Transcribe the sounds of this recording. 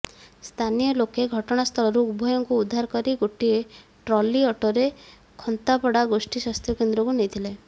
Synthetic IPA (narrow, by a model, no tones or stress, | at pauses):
st̪ʰanijɔlokeɡʱɔʈɔɽ̃ast̪ʰɔlɔɾuubʱɔjɔŋkuːd̪ʱːaɾɔkɔɾiɡoʈieʈɾɔliɔʈoɾe | kʰɔnt̪apɔɽaɡosʈiswast̪ʰjɔkend̪ɾɔkunejt̪ʰile